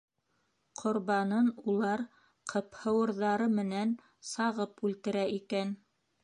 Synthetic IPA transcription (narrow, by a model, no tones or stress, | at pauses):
qʰŏɾβɑnɤnulˠɑɾ | qʰɤ̆phɤ̆wɤ̆ɾðɑɾɤmɘ̆næn | sɑʁɤpʉlt̪ɘ̆ɾæʔikæn